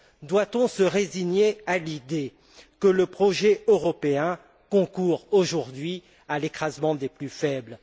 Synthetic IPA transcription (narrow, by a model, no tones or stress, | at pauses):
d̪wat̪ɔ̃səʁeziɲealid̪e | kələpχɔʒɛøʁɔpeɛ̃ | kɔ̃kuʁoʒuʁd̪ɥi | alekχazmɑ̃d̪eplyfɛbl